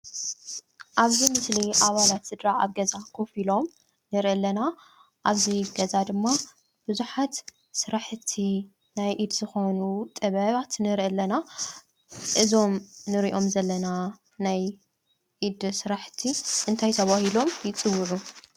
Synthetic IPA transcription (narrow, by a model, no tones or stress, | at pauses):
ʔaβzimɨsliʔaβalat̪sɨd̪ɾaa̰βɡɐzakʰofilo̞m | nɨɾʔɨlːɐna | ʔaβziɡɐzad̪ɨmːa | b̥ɨzuħat̪ | sɨɾaħt̪ʰi | najʔid̪zɨxo̞nut̪ʼɨβɐβat̪nɨɾʔɐlːɐna | ʔɨzo̞mnɨɾiʔo̞mzɐlːɐna | naj | ʔid̪sɨɾaħt̪ʰiʔɨnt̪ʰajt̪ʰɐβahilo̞mjɪt͡sʼɨwːɨʕu